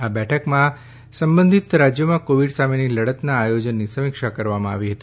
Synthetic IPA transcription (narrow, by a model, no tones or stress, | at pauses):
abɛʈʰəkmã | səmbə̃nd̪ʱit̪ɾad͡ʒjəmãkoʋiɖsameniləɽət̪naːjod͡ʒənːisəmɪkʃakəɾʋamãa̰ʋiɦət̪i